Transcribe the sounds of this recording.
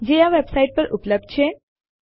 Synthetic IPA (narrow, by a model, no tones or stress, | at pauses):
d͡ʑejaʋebsaiʈ̚pəɾʔupləb̚d̪̚t͡ɕʰe